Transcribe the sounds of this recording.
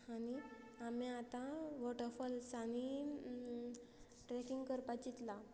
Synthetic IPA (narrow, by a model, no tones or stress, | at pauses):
aniamiat̪ãʋɔʈəɾfɔlsani | ʈɾɛkiŋɡkəɾpat͡ɕit̪la